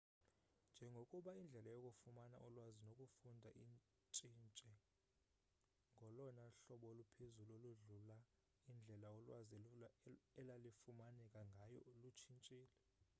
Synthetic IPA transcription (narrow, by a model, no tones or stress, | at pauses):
nd͡ʒʱɛŋɡʱokʼuɓaind͡ɮʱɛlajokʼufumana̰ʔɔlwazinokʼufundʱaʔin | t͡ʃʼint͡ʃʼɛ | ŋɡʱɔlɔnaɬɔɓɔlupʰezuloluɮula | ind͡ɮʱɛlaɔlwazi | ɛlalifumanɛkʼaŋɡʱajɔlut͡ʃʰint͡ʃʼiːlɛ